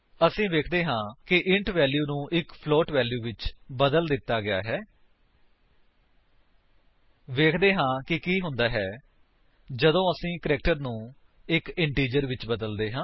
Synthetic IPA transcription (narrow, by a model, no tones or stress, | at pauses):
əsĩːʋeːkʰd̪eːɦãːkɪʔɪɳʈʋɛːljuːnũːʔɪkpʰloːʈʋɛːljuːʋɪt͡ʃbəd̪əld̪ɪt̪ːaːɡɪa̰ːɦɛː | ʋeːkʰd̪eːɦãːkɪkiːɦʊ̃nd̪aːɦɛː | d͡ʒəd̪õːəsĩːkəɾɛːk̚ʈəɾnũː | ɪkɪɳʈiːd͡ʒəɾʋɪt͡ʃbəd̪əld̪eːɦãː